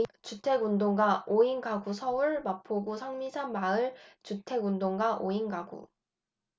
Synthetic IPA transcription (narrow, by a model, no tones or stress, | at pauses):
t͡ɕutʰe̞ɡundoŋɡwaʔoinɡaɡusʰʌuɭmapʰoɡusʰaŋmisʰanmaɯɭt͡ɕutʰe̞ɡundoŋɡaʔoinɡaɡṵ